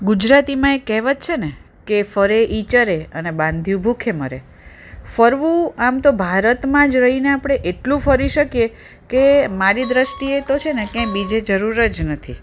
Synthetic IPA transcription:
ɡud͡ʒɾat̪imãekɛɦʋət̪t͡ʃʰene | kefəɾeʔit͡ʃəɾeənebãnd̪ʱjubʱukʰeməɾe | fəɾʋũamt̪obʱaɾət̪mãd͡ʒɾəɦineapɽ̃eʔeʈlũfəɾiʃəkije | kemaɾid̪ɾəʃʈiet̪ot͡ʃʰenekjãjbid͡ʒed͡ʒəɾuɾəd͡ʒnət̪ʰi

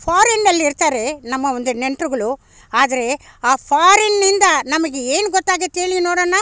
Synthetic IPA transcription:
pʰaːɾɐnːɐlːiiɾt̪aːɾe̞nɐmːɐond̪uneɳʈɾuɡɐɭu | aːd̪ɐɾe̞ | aːpʰaːɾenːind̪ɐnɐmɐɡeeːnuɡɔt̪ːaːɡet̪eːɭinoːɽɐːnːaː

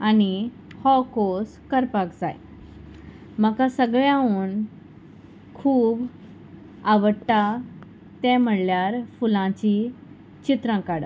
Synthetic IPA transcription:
ani | hɔkoskəɾpakd͡za̰j | məkasəɡɭjãuːn | kʰuːb | aʋəʈːa | t̪ɛ̃m̤əɽljaɾfulãt͡ɕi | t͡ɕit̪ɾãkaɽ

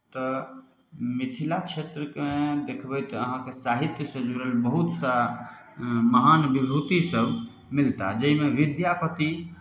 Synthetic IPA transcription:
t̪ɔ | mit̪ʰilat͡ʃʰet̪ɾəked̪ekʰbɛt̪əɦãkesaɦit̪jəsə̃d͡ʒuɾelbəɦut̪sa | məɦanbibʱut̪isəb | milt̪ad͡ʒəimeʋid̪japət̪i

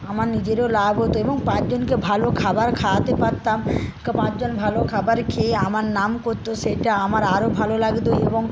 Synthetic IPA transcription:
amaɾnid͡ʑeɾeolabʱɦot̪oeboŋpãt͡ɕd͡ʑonkebʱalokʰabaɾkʰat̪epaɾt̪amkpãt͡ɕd͡ʑonbʱalokʰabaɾkʰeamaɾnamkoɾt̪oʃeʈaamaɾaɾobʱalolaɡt̪oeboŋ

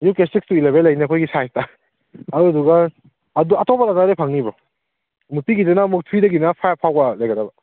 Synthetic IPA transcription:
jukestik̚stuileβelːɐjniɐkʰojɡisajsta | ɐɾuɐduɡɐː | duɐtɔbalazaɾepʰaŋnibɾɔ | mutiɡidenamuk̚tʰɾidɐɡinapʰajapʰawɡalɐjɡɐdɐbɐ

